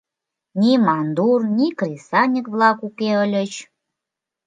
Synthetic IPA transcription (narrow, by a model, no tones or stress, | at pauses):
nʲimɑnd̪urnʲikɾisɑnʲəkβlɑkukeəlʲət͡ɕ